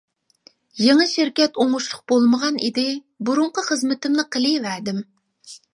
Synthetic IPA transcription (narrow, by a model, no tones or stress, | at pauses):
jeŋɨʃɪɾkʲɛt̪oŋʊʃlˠʊq̚bolˠməʁɑnid̪ɪ | buɾuɴqəχəzmɪt̪ɪmnɪqʰəlˠɨvæɾd̪ɪm